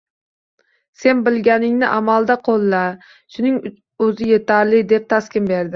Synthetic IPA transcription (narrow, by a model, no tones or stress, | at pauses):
se̞nbɪlɡʲanɪŋnɪʔamalˠd̪aqʰolˠːa | ʃʊnɪŋ | ɵzɪje̞t̪ʰaɾlɪd̪e̞p̚t̪ʰaskʲɪmbe̞ɾd̪ɪ